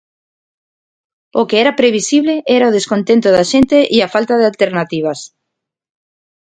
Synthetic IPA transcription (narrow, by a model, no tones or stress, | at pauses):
okeɛɾapɾeβisiβ̞leʔɛɾaoð̞eskont̪ẽnt̪oðaʃent̪eʔiafalt̪aðealt̪eɾnat̪iβ̞as